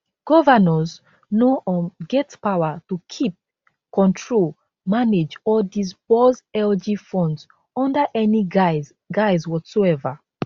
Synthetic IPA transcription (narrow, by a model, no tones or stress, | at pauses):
ɡ̥ɔvənəz | noʔɔɡɛtpawətukʰip̚ | kɔ̃ntʰɹol | maned͡ʒɔdis̬pozɛld͡ʒifɔ̃ndz | ɔ̃ndəʔɛni | ɡaɪzwɔtsoɛvə